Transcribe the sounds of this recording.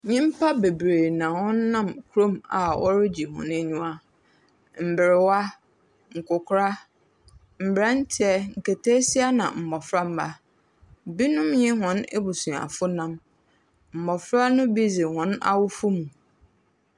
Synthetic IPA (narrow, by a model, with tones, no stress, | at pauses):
ɲɪ̃˦m̩˦pʰa˦be˨bɾeː˨nã˨wɔ̃˦nː˦ã˦˨mkʰu˦ɾõ˦˨ma̰˨ʔɔ̰˦ɾɪ˦d͡ʑi˨hɔ̰̃˨ne˦ɲũ˦a˦ | m̩˨bɪ˨ɾɪ˨wa˦ | ŋ̩˨kʊ˨kʰʊ˦ɾa˦ | m̩˨bɾa˦n̩˦tʰɪ˦ɛ˦ŋ̩˨ke˨tʰeː˦si˦a˦nã̰˨m̩˨mɔ˨fɾa˦m̩˦ba˦ | bi˦nʊ̃˦mɲɪ̃˦ɦɔ̃˨ne˦bʊ˨sũ˨a̰˨fʊ˦nã˦m | m̩˨mɔ˨fɾa˦nʊ̃˦bi˦zɪ˨hɔ̃˨˦na̰˦wʊ˦fʊ˦mũ˨